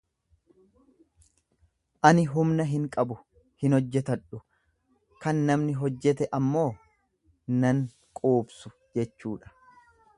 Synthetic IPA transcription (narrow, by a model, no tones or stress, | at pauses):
ʔɐnɪɦʊmnɐɦɪŋkʼɐbʊ | hɪnɔd͡ʒːɛt̪ɐᶑʊ | kɐnːɐmnɪɦɔd͡ʒːɛt̪ɛʔɐmːo̞ː | nɐŋ | kʼoːbsʊ | d͡ʒɛt͡ʃːuːᶑɐ̥